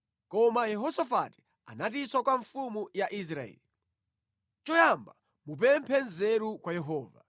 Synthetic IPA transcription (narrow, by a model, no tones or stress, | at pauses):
kɔmajɛɦɔsafati̥ | a̰nat̬iswakwaɱfumujaʔis̬ɾaɛ̰li | t͡ʃɔjamba | mup̬ɛmpʰɛnzɛɾukwajɛɦɔːva̰